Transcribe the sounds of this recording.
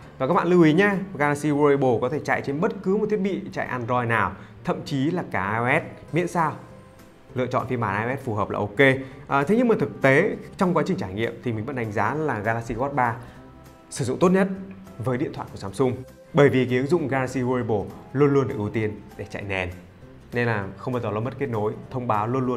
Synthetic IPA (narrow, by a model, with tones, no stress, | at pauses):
vaː˨˩ka˦˥k̚ɓaː˧˨lɨ˧˩i˨˦ɲaː˧ɣaː˧laː˦˧k̚si˧ɣu˧i˧ɓo˨˩kɔ˨˦t̪ʰe˧˩t͡ɕa̰ː˧˨jt͡ɕe˧nɓə˦˥t̚kɨ˨˦m˨˩t̪ʰi˦˥ət̚ɓḭ˧˨t͡ɕa̰ː˧˨jʔaː˧nzɔ˧jnaː˨˩wt̪ʰə˧˨mt͡ɕi˨˦laː˨˩kaː˨˧˩ʔaː˧ɛ˦˥t̚mḭ˧˥ənsaː˧w | lɨ̰˧ət͡ɕɔ̰˧˨nfi˧nmɓaː˧˩ʔaː˧ʔɛ˦˥t̚fu˨˩ɦəː˨˩p̚la̰ː˨˩ʔo˧ke˧ʔə˨˩t̪ʰe˨˦ɲɨ˧mə˨˩t̪ɨ˨˩k̚t̪e˨˦t͡ɕɔ˧wŋ͡mkwaː˨˦t͡ɕï˨˩ŋt͡ɕaː˧˩jŋḭ˧˨əmt̪ʰi˨˩mï˨˩və̰˧˥nɗa˨˦ŋ̟zaː˨˦laː˨˩ɣaː˧la˦˥k̚si˧ɣɔ˦˥t̚ɓaː˧ | sɨ˧˩zʊ̰˧˨ŋ͡mt̪o˦˥t̚ɲə˦˥t̚ | vəː˨˦ɗḭ˧˨nt̪ʰwaː˧˨jku˧˩˨zaː˨˦msʊ˧ŋ͡m | ɓəː˧˩jvi˨˩ki˨˦ə˦ŋzʊ̰˧˨ŋ͡mɣaː˧la˦˥t̚si˧hu˧i˧ɓo˧˩lu˧ənlu˧ənɗɨ̰˧˩ʔɨ˧˦t̪i˧ənɗe˧˩t͡ɕa̰˧˨jnɛ˨˩n | ne˧nlaː˨˩xə˧wŋ͡mə˨˦˩zlaː˧˩mə˦˥t̚ke˦˥t̚no˨˦jt̪ʰə˧wŋ͡mɓaː˨˦wlu˧ənlu˧ən